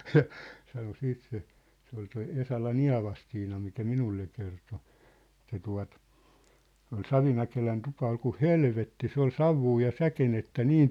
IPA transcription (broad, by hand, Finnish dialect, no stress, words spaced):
jɑ sɑno siːt se se ol toi esɑlɑn iɑ̝ʋɑstiːnɑ mikæ minulːe kerto etˑæ tuɑ̝t ol sɑʋimækelæn tupɑ ol ku helʋetːi se ol sɑʋːuː jɑ sækenetːæ niːn